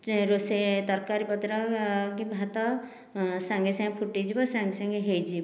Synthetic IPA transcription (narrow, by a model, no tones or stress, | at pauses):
ɾoset̪ɔɾkaɾipɔt̪ɾɔkibʱat̪ɔ | saŋɡesãŋɡepʰuʈid͡ʒibɔsaŋɡesaŋɡeɦejd͡ʒi